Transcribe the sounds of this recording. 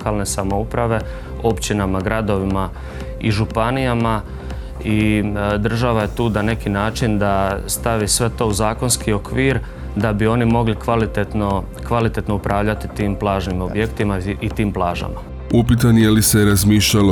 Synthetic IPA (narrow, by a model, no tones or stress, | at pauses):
kaːlˠne̞samoupɾaʋe̞ | o̞pt͡ɕinamaɡɾad̪o̞ʋima | iʒupanijama | id̪r̩ʒaʋaje̞t̪uːnane̞kinaːt͡ʃind̪ast̪aʋisʋe̞t̪o̞ːuzaːko̞nskio̞kʋiːɾ | d̪abio̞nimo̞ɡlikalit̪et̪no | kʋalit̪e̞t̪no̞upɾʔaːʋʎat̪it̪iːmplˠaːʒnimo̞bje̞kt̪imait̪iːmplˠaːʒa̰ma | upit̪̬anjeliseɾazmiːʃʎalo